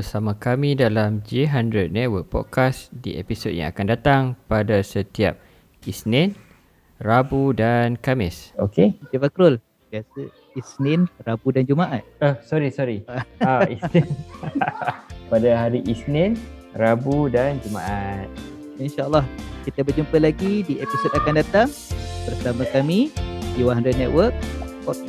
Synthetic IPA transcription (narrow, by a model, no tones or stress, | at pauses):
b̥əsamãkamĩdalamd͡ʒiɦandɾəd̚nɛtwək̚pɔ̰d̚kasdḭʔepisod̚ja̰ŋa̰kandat̪aŋpadasət̪ia̰p̚ | isnɪn | rabudankamɪsokeit̪ivakɾʊl | biasə | isnɪnrabudand͡ʒumaʔat̪̚əhsɔɾisɔɾiaaisnɪn | padaɦaɾiʔisnɪnrabudand͡ʒuma̰ʔat̪̚ | inʃalːɑhkit̪abərd͡ʒumpəlaɡidiʔepisot̪akandat̪aŋbərsamakamidiwaɦandɔnɛt̪̚wərk̚pɔt̪̚